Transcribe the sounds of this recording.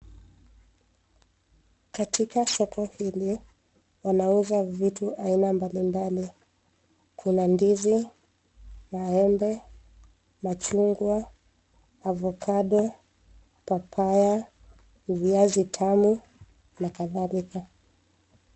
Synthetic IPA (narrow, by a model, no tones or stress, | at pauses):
katʰikasɔkɔhili | wanauzavituʔainambalimbali | kʰunandizi | maɛmbɛ | mat͡ʃuŋɡwaː | vɔkʰaɗɔ | papʰaja | viazitʰamu | nakaðalika